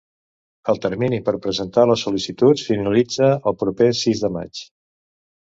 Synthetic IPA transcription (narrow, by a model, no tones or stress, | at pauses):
əlˠt̪əɾminipəɾpɾəzənt̪aləsulisit̪usfinəlid͡zəːlˠpɾupesizðəma̰t͡ʃ